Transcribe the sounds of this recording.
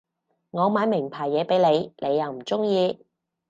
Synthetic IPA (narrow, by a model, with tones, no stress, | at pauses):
ŋɔː˨˧maː˨˧˥jmɪ˨˩ŋpʰaː˨˩jːɛː˨˧pe˨˥jne˨˧jnʔe˨˧jːɐ˨˧wm̩˨˩t͡sʊ˥ŋjiː˧